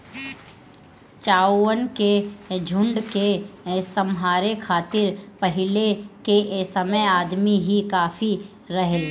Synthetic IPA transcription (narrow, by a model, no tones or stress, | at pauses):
t͡ʃaːwənked͡ʒʱʊ̃ɳɖkesəmɦaːɾekʰaːt̪ɪɾpəɦɪlekeʔsəməjaːd̪miɦikaːfi | ɾɐɦe